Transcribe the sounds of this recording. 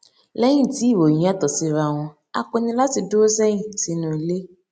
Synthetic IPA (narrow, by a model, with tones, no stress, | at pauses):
lɛ˦j̃ĩ˦˨ti˨˦i˦˨wõ˨ĩ˨˦a˦˨t̪ɔ˨si˧ɾa˨w̃ɔ̃˧ | a̰˨k͡pɔ˧nĩ˧la˦ti˧do˦sɛ˦ɲĩ˨si˧nũ˨le˦